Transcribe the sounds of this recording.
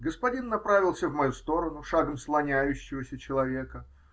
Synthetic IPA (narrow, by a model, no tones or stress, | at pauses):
ɡəspɐdʲinːɐpɾavʲɪlˠsʲəvmɐjust̪o̞ɾənʊʂaɡəmslˠɐnʲæjʉɕːɪvəsʲət͡ɕɪlˠɐvʲe̞kə